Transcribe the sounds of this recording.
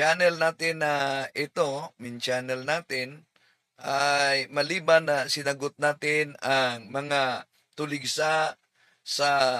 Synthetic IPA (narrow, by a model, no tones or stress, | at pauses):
anɛlnaːt̪ɪnaɪt̪omɪnt͡ʃanɛlnaːt̪ɪn | ʔajmɐliːbanːɐsɪnɐɡʊt̪̚naːt̪ɪnaŋmɐŋa | t̪ʊlɪɡsa | sa